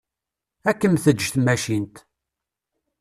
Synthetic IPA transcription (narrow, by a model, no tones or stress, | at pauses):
ækːəmθəd͡ʒθmæʃint̪